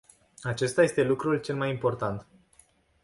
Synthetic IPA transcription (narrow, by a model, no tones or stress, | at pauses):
at͡ʃe̞st̪aje̞st̪e̞lukɾult͡ʃe̞lmajimpo̞rt̪ant̪